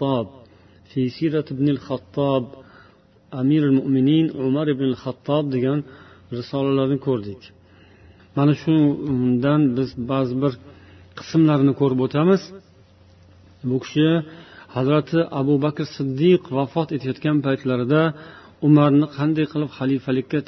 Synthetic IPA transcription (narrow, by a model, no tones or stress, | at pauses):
t̪ːɒb̚ | fejsiɾat̪ɪbnɪlχat̪ʰːɒb | amiɾalmʊʔmɪninʕʊmaɾɪbnɪlχat̪ʰːɒb̚d̪e̞ɡʲan | ɾɪsɒlalaɾnɪkʰɵɾd̪ɪkʲ | manaʃʊnd̪anbɪzbazɪbɪɾqʰɨ̥smlaɾnɪkʰɵɾɪpot̪ʰamɪz | bʊkʲʰɪ̥ʃɪhazɾat̪ʰɪʔabʊbakʲɾsɨd̪ːɪqvafɒt̪e̞t̪ʰajɒt̪kʲanpajt̪laɾɪd̪a | ʊmaɾnɪqʰɑnd̪ajqʰɨlˠɪpχalifalɪkʲːa